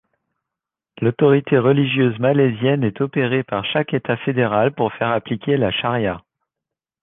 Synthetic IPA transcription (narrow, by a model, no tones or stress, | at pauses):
lot̪ɔʁit̪ʰeʁəliʒjøzmalezjɛnɛt̪ɔpeʁepaʁʃakʲet̪afed̪eʁalpuʁfɛʁaplikʲelaʃaʁja